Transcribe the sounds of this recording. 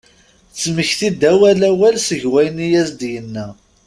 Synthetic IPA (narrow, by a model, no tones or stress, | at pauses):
t͡sːməçθid̪æwælæwælsəʝwæjənijæsd̪jənːæ